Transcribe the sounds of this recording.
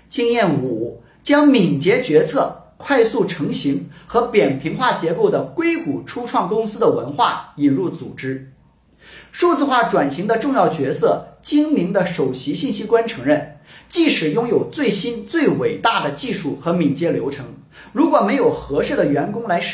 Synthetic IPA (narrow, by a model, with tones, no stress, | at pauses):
t͡ɕi˥ŋjɛ˥˩nu˨˩ | t͡ɕjɑ˥ŋmi˨˩ŋt͡ɕjɛ˧˥t͡ɕɥɛ˧˥t͡sʰɤ˥˩kʰwa˥˧ɪsu˥˩ʈ͡ʂʰɤ˧˥ŋɕi˧˥ŋxɤ˧˥pjɛ˨˩npʰi˧˥ŋxwa˥˩t͡ɕjɛ˧˥ko˥˩ʊd̪ə˩kwe˥ɪku˨˩ʈ͡ʂʰu˥ʈ͡ʂʰwɑ˥˩ŋkʊ˥ŋsɹ̩˥d̪ə˨wə̰˧˥nxwa˥˩i˨˩nɻu˥˩t͡sṵ˨˩ʈ͡ʂɻ̩˥ | ʂu˥˧t͡sɹ̩˥˧xwa˥˩ʈ͡ʂwa˨˩nɕi˧˥ŋd̪ə˧ʈ͡ʂʊ˥˧ŋjɑ˥˩ʊt͡ɕɥɛ˧˥sɤ˥˩t͡ɕi˥ŋmi˧˥ŋd̪ə˧ʂo˨˩ʊɕi˧˥ɕi˥˩nɕi˥kwa˥nʈ͡ʂʰɤ˧˥ŋɻə˥˩nt͡ɕi˥˩ʂɻ̩˨˩jʊ˥ŋjo˨˩ʊt͡swe˥˩ɪɕi˥nt͡swe˥˩ɪwe˨˩ɪt̪a˥˩d̪ə˩t͡ɕi˥˧ʂu˥˩xɤ˧˥mi˨˩ŋt͡ɕjɛ˧˥ljo˧˥ʊʈ͡ʂʰɤ˧˥ŋ | ɻu˧˥kwɔ˨˩me˧˥ɪjo˨˩ʊxɤ˧˥ʂɻ̩˥˩d̪ə˩ɥɛ˧˥nkʊ˥ŋla˧˥ɪʂ